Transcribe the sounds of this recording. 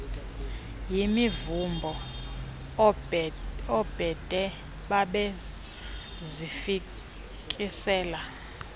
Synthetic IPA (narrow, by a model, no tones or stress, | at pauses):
jimivumbʱɔ | ɔb̥ʱɛdʱɛ | ɓaɓɛ | zifi | kʼisɛːla